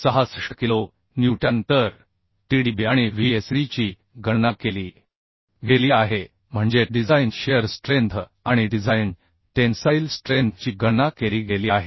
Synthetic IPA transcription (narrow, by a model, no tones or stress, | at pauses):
səɦasʂəkilo | njuʈãnt̪əɾ | ʈiɽibiaɽ̃iʋiesɾit͡ɕi | ɡənakeliː | ɡeliːaɦe | m̤əɳd͡zeɖid͡zajnɕeəɾsʈɾent̪ʰ | aɽ̃iɖid͡zajn | ʈensajlsʈɾent̪ʰt͡ɕiːɡənakeɾiːɡeliaɦe